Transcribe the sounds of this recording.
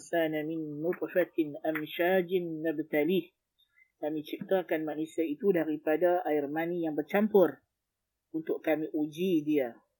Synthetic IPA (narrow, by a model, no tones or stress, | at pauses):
sanamɪnːʊt̪fat̪amʃad͡ʒɪnːabt̪alih | kamĩt͡ʃip̚t̪akanmaʔnusiait̪udaɾipadaaɪrmanijaŋbərt͡ʃampʊr | unt̪ʊʔkamĩʔud͡ʒidia